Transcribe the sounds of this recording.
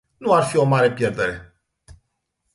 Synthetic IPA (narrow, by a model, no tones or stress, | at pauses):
nuarfio̞maɾe̞pje̞rd̪e̞ɾe̞